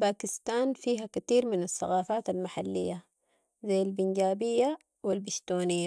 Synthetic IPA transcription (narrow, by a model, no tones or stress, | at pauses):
baːkɪst̪aːnfiːɦakat̪iːɾmɪnasːa̰ɣaːfaːt̪almaħalːḭjːa | zajːalbinɟaːbijːa | wilbiʃt̪oːnijːa